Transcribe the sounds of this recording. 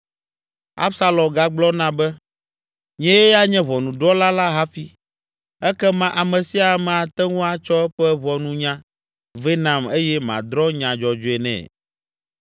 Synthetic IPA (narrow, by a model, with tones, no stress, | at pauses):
a̰˦bsa˦lɔ̃˨mɡa˦ɡ͡blɔ˦nã˦bɛ˦ | ɲɛ̃˦jɛ˦ja˦ɲɛ̃˦βɔ˨nũ˨ɖɔ˦la˦la˦ɦa˦fi˦ | ɛ˦kɛ˦mã˦ʔa˨mɛ̃˨si˦a˨˦mɛ̃˨a˨t̪ɛ˦ŋũ˦a˨t͡ʃɔ˦ɛ˦ɸɛ˦βɔ˨nũ˦ɲã˦ | ve˦nã˨me˦jɛ˦mã̰˨d̪ɾɔ˦ɲã˨d͡ʒɔ˨d͡ʒo˨ɛ˨nɛ̰̃˨